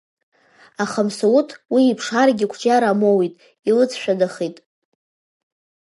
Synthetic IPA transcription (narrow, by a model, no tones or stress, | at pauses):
aχamsawutʰwiːpʰʂarɡʲɪkʷʰd͡ʒaɾamowitʼ | ilɨt͡sʰʃᶣadaχitʼ